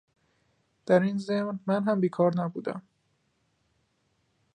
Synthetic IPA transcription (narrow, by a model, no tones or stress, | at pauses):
d̪̥æɾinzemnmænɦæmbiːkʰɒːɾnæbṵːd̪æ̰m